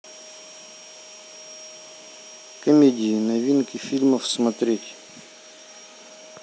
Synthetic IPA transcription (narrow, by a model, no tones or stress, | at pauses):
kəmʲedʲinɐvʲinkifilməfsmɐt̪ɾʲetʲ